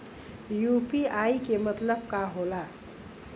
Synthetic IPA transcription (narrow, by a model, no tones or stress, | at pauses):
jupiajkemət̪ləb̚kaɦola